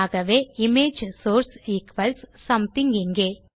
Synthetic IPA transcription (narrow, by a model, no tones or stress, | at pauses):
aːɡɐʋeːimeːd͡ʒsoːɾsiːkʋɐlssɐmt̪iŋɡeŋɡeː